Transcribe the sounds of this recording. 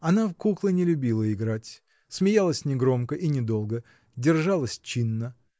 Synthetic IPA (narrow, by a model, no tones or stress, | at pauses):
ɐnafkuklˠənʲɪlʲʊbʲilˠəɪɡɾatʲ | smʲɪjalˠəsʲnʲɪɡɾo̞mkəʔinʲɪd̪o̞lˠɡə | dʲɪrʐalˠəsʲt͡ɕinːə